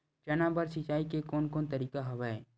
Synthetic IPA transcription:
t͡ʃɐnabəɾsɪt͡ʃaːikekɔːnkoːnt̪ɐɾiːkaɦɐʋa

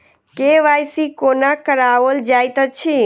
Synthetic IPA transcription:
keʋajsikonakəɾaʋəld͡ʒajt̪ət͡ʃʰi

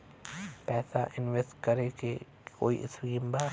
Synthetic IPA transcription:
pɛːsaʔɪnʋesʈkɐɾeke | koːḭʔɪ̰skiːmbaː

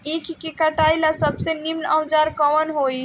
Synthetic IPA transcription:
ekʰkekəʈajlasəbsenimnə̃wd͡ʒaɾkɔʋənɦoi

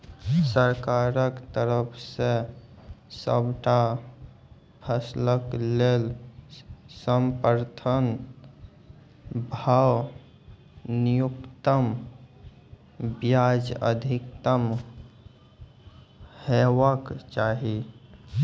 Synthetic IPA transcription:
səɾkaɾəkt̪əɾəpʰse | sə̰bʱʈa | pʰəsləklel | səmpəɾt̪ʰən | bʱaw | nijukt̪əm | bjad͡ʒə̰d̪ʱikt̪əm | hewəkt͡ʃaɦi

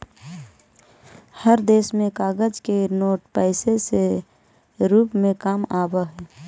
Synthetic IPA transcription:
həɾd̪eːsmẽkaːɡəd͡ʒkenoːʈpɛɪsese | ɾuːpmẽkaːmaːbəɦɛː

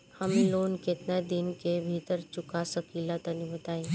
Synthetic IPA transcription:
həmloːnket̪nad̪ɪnkebʱiːt̪əɾt͡ʃʊkasəkilat̪ənĩbət̪aːĩ

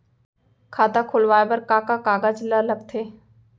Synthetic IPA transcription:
kʰaːt̪akʰʊlʋaːebɐɾkaːkakaːɡad͡ʒləlɐɡ̚t̪ʰeː

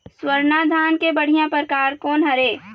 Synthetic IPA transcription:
swəɾnad̪ʱaːnkebəɽ̤ijãpəɾkaːɾkɔːnɦɐɾeː

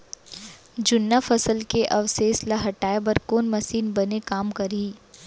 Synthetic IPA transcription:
d͡ʒʊnːafɐsəlkeʔɐʋseːslaɦɐʈaːebɐɾkoːnmɐsiːnbɐnekaːmkɐɾiː

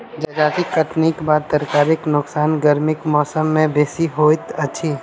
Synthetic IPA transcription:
d͡ʒad͡ʒaːt̪ɪkːɐʈʰnikbaːd̪̚t̪əɾkaːɾɪknʊksaːnɡɐɾmɪkmɔːsəmːẽbeːsiɦoːɪt̪ɐtːʃʰiː

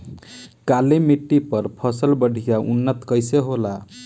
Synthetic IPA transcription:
kalemiʈːipəɾpʰəsəlbəɖʱijaʔṵnːət̪kəjseɦola

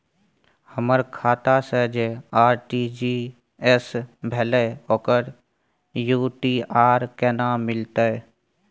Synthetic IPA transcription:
həməɾkʰaːt̪asəd͡ʒeaːɾʈid͡ʒi | ɛsbʱɛːleoːkəɾ | juːʈiːaːɾkɛːnaːmɪlt̪aɛ

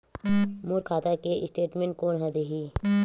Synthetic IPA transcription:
muɾkʰaːt̪akeɪsʈeːʈmẽɳʈ̚koːnɦɛd̪eɦi

